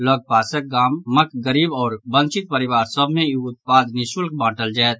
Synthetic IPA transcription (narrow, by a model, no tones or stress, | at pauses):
ləɡ̚paːsək̚ɡaːmːəkɡəɾiːbɔːɾbə̃nt͡ʃɪt̪̚pəɾɪʋaːɾsɐbʱmẽiʊt̪̚paːd̪nɪʃʊlk̚bãːʈəld͡ʒɛːt̪̚